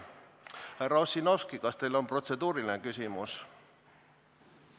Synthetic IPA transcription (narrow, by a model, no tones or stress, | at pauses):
hærɑusino̞fskikɑst̪e̞jlo̞mpro̞t̪se̞d̪uːɾilinekysʲimus